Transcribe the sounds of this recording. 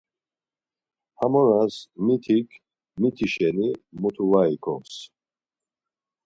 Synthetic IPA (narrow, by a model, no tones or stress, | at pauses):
hamɔɾasmit̪ʰikʰ | mit̪ʰiʃɛnimut̪ʰuvaikʰɔ̰s